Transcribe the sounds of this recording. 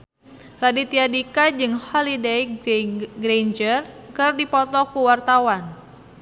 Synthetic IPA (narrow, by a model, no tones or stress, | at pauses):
radit̪iadikad͡ʒɨŋhɔlidej | ɡɾend͡ʒərkɨrdipɔt̪ɔkuwart̪awan